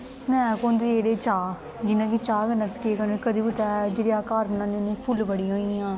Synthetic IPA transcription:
snɛ̃ːkõːnd̪eeːɽeːt͡ʃaː | d͡ʒɪnãːkit͡ʃaːɡənasə̥keːkənõkəd̪iːbʊt̪ɛːd͡ʒeːɽiaːkaːɾbənãːnenẽːpʰʊlbəɽiːɦoːiãː

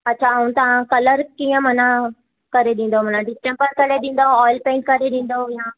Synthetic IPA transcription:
ɐtːɕʰaũt̪ɐʋãkɐləɾkĩːə̃m̤ɐnã | kɐɾeɗĩːn̆d̪om̤ɐnãɖɪsʈẽmpəɾkɐɾeɗĩːn̆d̪oɔːɪlpẽːɳʈ̚kɐɾeɗĩːn̆d̪ojã

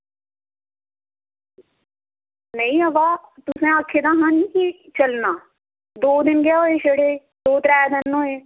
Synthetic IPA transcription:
nəĩːɦəʋaːt̪ʊsẽːaːkʰːeːd̪ãːɦãːniːkit͡ʃəlnaː | d̪oːd̪ɪnɡɪjaːɦoːeːʃəɽeː | d̪oːt̪ɾɛːd̪ɪnɦoːeː

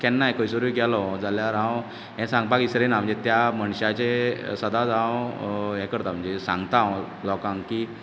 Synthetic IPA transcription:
kɛnːajkojsəɾuɡɛlɔd͡zaljaɾãw | jɛ̃sãŋɡ̚pakisɾenam̤ə̃ɳnd͡zet̪jaməɳɕat͡ɕesəd̪ad͡zãʋɦɛ̃kəɾt̪am̤əɳd͡zesã̰ŋɡt̪a | lɔkãŋɡki

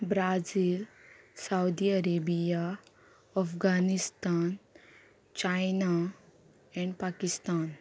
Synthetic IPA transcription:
bɾaziːl | sawd̪iəɾebija | əfɡanist̪an | t͡ɕajna | ɛ̃ɳɖpakist̪an

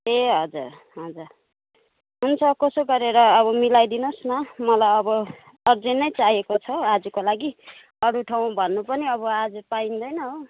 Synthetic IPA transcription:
eɦʌd͡zuɾ | ɦʌd͡zur | ɦunt͡sʰʌkʌsoɡʌɾeɾʌːβʌmilajd̪inosnʌmʌlajʌbʌ | ʌrd͡zenːʌjt͡saɦiekot͡sʰʌad͡zukolaɡi | ʌɽuʈʰaw̃bʱʌnːupʌniʌβʌad͡zupaind̪ʌjnʌɦo

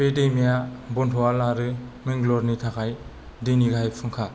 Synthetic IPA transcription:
pedejmijabɔntʰɔwalaɾɯmiŋɡlɔɾnitʰakʰaj | dɯjniɡajpʰɯŋkʰa

